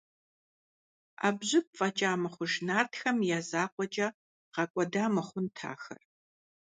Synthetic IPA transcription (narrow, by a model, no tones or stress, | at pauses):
a̰ːbʑɪp̚fʼɐt͡ʃʼaːmɨχʷʊʒnaːrtxɐmjaːzaːqʷʼɔt͡ʃʼɐ | qɐkʷʼɔdaːmɨχʷʊntʰa̰ːxɐ̰r